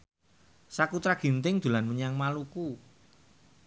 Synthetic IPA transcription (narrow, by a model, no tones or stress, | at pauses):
sakut̪ɾaɡ̥i̤nt̪ɪŋd̪̥ṳlanməɲaŋmaluku